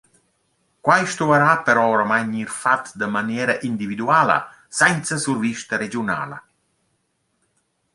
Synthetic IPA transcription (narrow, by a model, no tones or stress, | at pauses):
kwajʃt̪uaɾapəɾɔɾamajɲirfat̪d̪əmanjɛːɾaʔind̪ivid̪uaːlə̰ | sɛnt̪səsurviʃt̪aɾed͡ʒiuna̰ːlɐ̰